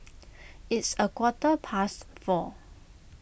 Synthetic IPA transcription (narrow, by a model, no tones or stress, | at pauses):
ɪtsəkwɔtəpʰasfɔ